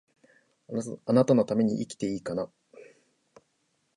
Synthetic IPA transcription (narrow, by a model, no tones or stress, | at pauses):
anat̪ano̞t̪ame̞ɲ̟iʔikʲi̥t̪e̞iːkana